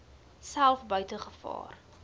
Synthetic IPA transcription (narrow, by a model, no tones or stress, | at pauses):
sælˠfbœɥtəχəfɑ̰ːr